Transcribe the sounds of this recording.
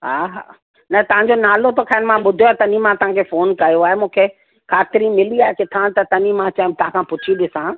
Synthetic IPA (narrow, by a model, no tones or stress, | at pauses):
ɦaːɦa̰ː | nɐt̪ɐʋ̤ãɲ̆d͡ʑonaːlot̪okʰaːɪnmãɓʊd̪ʱijoaːt̪ɐnimãt̪ɐʋɦãkʰefoːnkɐjoaːɦemũːkʰe | kʰaːt̪ɪɾimɪliaːɦekɪt̪ʰãt̪ɐt̪ɐnimãt͡ɕãːt̪ɐãkʰãpʊt͡ɕʰiɗɪsã